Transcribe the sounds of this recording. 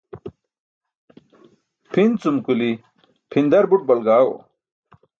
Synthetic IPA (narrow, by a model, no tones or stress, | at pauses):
pʰint͡sumkuli | pʰind̪ɐɾbuʈ̚bɐlɡaːwo̰